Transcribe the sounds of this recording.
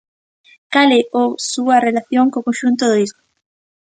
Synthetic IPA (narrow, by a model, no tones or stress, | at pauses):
kaleʔowsuarelaθjoŋkokonʃunt̪oðoizmo